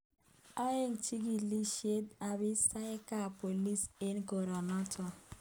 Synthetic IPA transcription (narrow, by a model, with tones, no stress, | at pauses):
a˦e˦ŋt͡ʃi˦ɡi˨li˦ʃe˦t̚a˨bɪ˦sa˦ɪ˦ka˦˨po˨li˦se˦nɡɔ˨ɾɔ˨nɔ˦tʰɔ˨